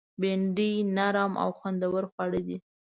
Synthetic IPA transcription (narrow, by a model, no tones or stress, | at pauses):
beɳɖinaɾɑmʔa̰wxwand̪awəɾxwɑɽəd̪i